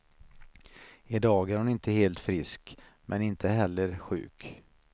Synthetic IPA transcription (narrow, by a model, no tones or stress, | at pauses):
ɪd̪ɑːɡæɾhʊnɪnt̪ʰəheːlt̪fɾɪskmʔɛnɪnt̪ʰəɦɛlːəɾɧʉ̟̰ːk